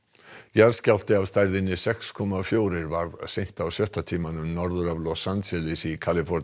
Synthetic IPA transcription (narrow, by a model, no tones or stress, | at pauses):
jaɾscal̥t̪ɪavst̪ajɾðɪnɪsɛkskʰɔmafjoːwɾɪɾvaɾðsejn̥t̪awsœht̪at̪ʰiːmanʏmnɔɾðʏɾavlɔsansɛlɪsikʰalɪfɔɾ